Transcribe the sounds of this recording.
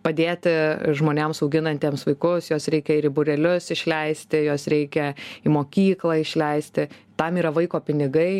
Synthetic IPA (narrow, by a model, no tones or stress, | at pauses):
pɐd̪ʲeːt̪ʲɪʒmoːnʲemsɐʊɡʲɪnɐnʲt̪ʲeɛmsʋɐɪkʊsjoːsɾʲɛɪkʲɛɪɾɪbʊɾʲɛlʲʊsɪʃʲlʲɛɪsʲt̪ʲɪjoːsɾʲɛɪkʲɛɪmoːkʲiːklˠɑːɪʃʲlʲɛɪsʲt̪ʲɪ | t̪ɐmiːɾɐʋɐɪkoːpʲɪnʲɪɡɐɪ